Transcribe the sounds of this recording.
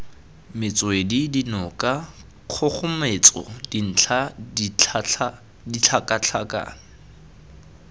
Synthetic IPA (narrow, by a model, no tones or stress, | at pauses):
mɪt͡sʼɔedidinɔkʼa | q͡χʰɔk͡xʰʊmet͡sʼɔ̰din̩t͡ɬʰa | dit͡ɬʰakʼat͡ɬʰakʼa̰